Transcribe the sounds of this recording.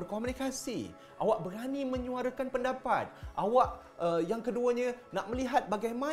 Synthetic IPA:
ərkomunikasḭ | ʔawaʔbəɾanimə̃ɲũaɾakanpəndapat̪̚ʔawaʔ | əjaŋkəduəɲãnaʔmə̃liɦat̪̚baɡajmã

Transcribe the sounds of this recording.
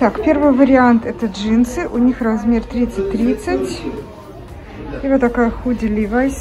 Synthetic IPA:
t̪akpʲe̞rvɨjvəɾʲɪant̪ɛt̪əʐɨnsɨʔʊnʲixrɐzmʲe̞rt̪ɾʲit̪sɨtʲt̪ɾʲit̪sɨtʲ | ivət̪ɐkajəxudʲɪlʲivajsʲ

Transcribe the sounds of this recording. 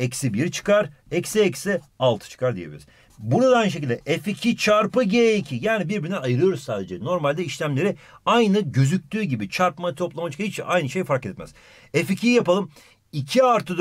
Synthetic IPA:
ɛcsibiɾt͡ʃʰɯ̥kaɾɛcsiɛcsi | alˠt̪ʰɯ̥t͡ʃʰɯ̥kʰaɾd̪ijebḭlʲiɾiz̥ | buɾad̪aajnɯʃ̬ecilʲd̪ɛʔɛficʰit͡ʃʰaɾpɯɟeːicʰijaːnibiɾbiɾinɛajɯɾɯjo̞ɾuzssaːd̪e̞d͡ʒɛno̞ɾmalʲd̪ɛiʃlʲæmlʲe̞ɾɪajnɯɟø̞zyc̚ʲt̪ʰyːɟibit͡ʃʰaɾpmat̪ʰo̞plˠamat͡ʃʰɯ̥kit͡ʃʔajnɯʃe̞jfaɾket̪mæ̰z̥ | ɛficʰijijapalˠɯm | icʰiaɾt̪ʰɯd̪

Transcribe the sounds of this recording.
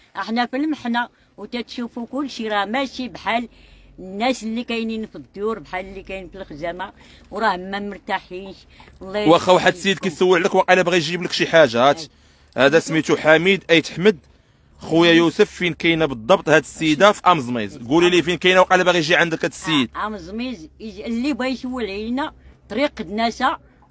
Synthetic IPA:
ʔəħnæfilməħnæ | wt̪æt̪ʃufukʊlːʃiɾˤɑhmæʃibħalnːæslːikæjninfəd̪juɾbħaləlːikæjnfəlxʒæmæ | wɾˤɑhmæmʊɾt̪aħinʃ | wlˤːɑwæxæwaħəd̪səjːəd̪̚kæjt̪səwːəʕləkwæqɑlæbɣæjʒibləkʃiħaʒæt̪ | hæd̪æsmit̪uħamid̪ʔæjt̪ə̥ħməd̪̚ | xujæjusəfːinkæjnæbəd̪ˤːɑbt̪ˤhæd̪əsːəjːd̪afiʔɑmzˤmizɡulilifinkæjnæwqɑlæbɣijʒiʕand̪əkæt̪sijːəd̪̚ɑmzˤmizlːibæjʃwːəlinæt̪ˤɾiqd̪næsæ

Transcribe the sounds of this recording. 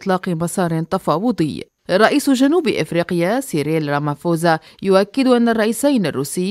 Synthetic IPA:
t̪ˤlɑːqɨmɑsˤɑːɾˤɪt̪ɑfɑːwʊd̪ˤɨjː | ɾˤːɑʔiːsʒanuːbʔɪ̰fɾiːqɪjasiːɾeːlɾˤamafoːza | jʊʔakːɪd̪ʔanːarˤːɑʔiːsajnarˤːuːsɪ

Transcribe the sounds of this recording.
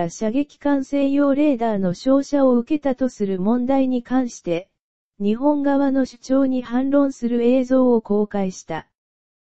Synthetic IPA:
aɕaɡe̞kʲi̥kãɰ̃sẽ̞jo̞ːɾe̞ːd̪aːno̞ɕo̞ːɕao̞ɯ̟ke̞t̪at̪o̞sɨɾɯ̟mõ̞nd̪aiɲ̟ikãɰ̃ɕi̥t̪e̞ | ɲ̟iɦõ̞ŋɡaβano̞ɕɨ̥t͡ɕo̞ːɲ̟ihãnɾõ̞ɰ̃sɨɾɯ̟e̞ːzo̞ːoko̞ːkaiɕi̥t̪a

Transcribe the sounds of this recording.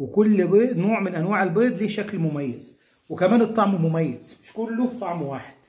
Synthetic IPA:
wɪkʊlːbeːd̪noːʕmɪnʔænwaːʕɪlbeːd̪ˤliːʃæklmʊmæjːaz̥ | wɪkæmæːnɨt̪ˤːɑʕmmʊmæjːaz̥mɪʃkʊlːʊt̪ˤːɑʕmwaːħɪd̪̥

